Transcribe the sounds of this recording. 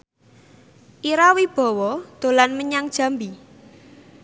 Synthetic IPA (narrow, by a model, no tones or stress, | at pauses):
ʔiɾawib̥ɔ̤wɔd̪̥o̤lanməɲaŋd̥ʒ̥ä̤mbi